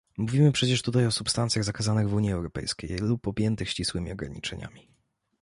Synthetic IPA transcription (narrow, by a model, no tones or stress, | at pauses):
muvʲimɘpʂɛt͡ɕɛʂt̪ut̪ajɔsupst̪ant̪sʲjaɣzakazanɘɣvuɲiɛwɾɔpɛ̰jskʲḛjlupɔbʲjɛnt̪ɘxɕt͡ɕiswɘmʲiɔɡɾa̰ɲḭt͡ʂɛɲa̰mʲi